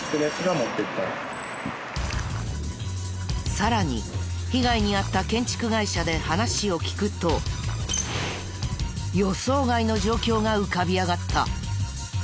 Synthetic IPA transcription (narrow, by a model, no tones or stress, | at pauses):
sɨɾesɨɡamot̪ːekʲi̥t̪a̰ | saɾaɲ̟ḭçiɡaiɲ̟iat̪ːakẽ̞ɲ̟t͡ɕi̥kɯ̟ɡaiɕad̪e̞hanaɕio̞kʲi̥kɯ̟t̪o̞ | jo̞so̞ːɡaino̞ʑo̞ːkʲo̞ːɡaɯ̟kabʲiaɡat̪ːa̰